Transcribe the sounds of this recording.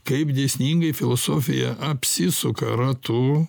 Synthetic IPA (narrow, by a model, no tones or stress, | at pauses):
kɐɪpd̪ʲɛsʲnʲiːŋɡɐɪfʲɪlˠosoːfʲɪjɛ̰ʔɐpʲsʲɪsʊkɐ̰ɾɐt̪u